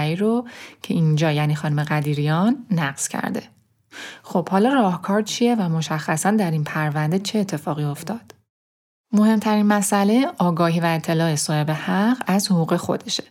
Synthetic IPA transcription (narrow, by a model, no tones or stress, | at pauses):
iːɾocʰe̞ind͡ʒɒːjæːniːxɒːnumeɣæd̪iːɾijɒnːæɢz̥cʰæ̰ɾd̪e̞̰ | xo̞b̥hɒːlɒːrɒːhkʰɒːɾt͡ʃʰije̞væmo̞ʃæxːæsænd̪æɾinpʰæɾvænd̪e̞t͡ʃʰe̞ːt̪ʰːe̞fɒːɣio̞ft̪ɒːd̪̥ | mo̞he̞mt̪ʰæɾinmæsʔæle̞ɒːɡɒːɦiːvæe̞t̪ʰːe̞lɒːesɒːhe̞be̞hæɢæzhoɣuːɣe̞xo̞̰d̪e̞ʃe̥